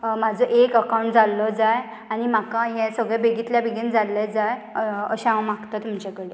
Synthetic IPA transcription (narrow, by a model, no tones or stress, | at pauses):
mad͡zʱɔʔekəkaw̃ɳʈd͡zalːɔd͡zaj | añim̤akãɦɛ̃səɡɭɛbeɡiːt̪ljabeɡind͡zalːed͡zajə̰ɕããmaɡt̪at̪um̤t͡ɕɛkəɽe